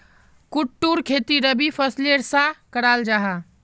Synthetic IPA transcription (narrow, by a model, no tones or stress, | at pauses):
kuʈːuɾkʰet̪iɾəbipʰəsleɾsãkəɽald͡ʒaɦa